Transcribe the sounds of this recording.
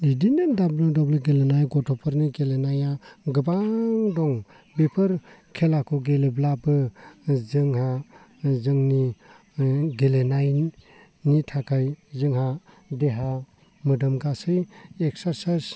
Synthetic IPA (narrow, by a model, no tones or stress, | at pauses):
lidinɯndablɔŋdɔblɯɡelenajɡɔtʰɔpʰɔɾniɡelenajaɡɯbaŋdɔŋ | bepʰɯɾkʰelakʰɔɡeleblabɯzɯŋha | zɯŋni | ɡelenaj | nitʰakʰajzɯŋɦa | deɦa | mɯdɯmɡasɯjeksaɾsas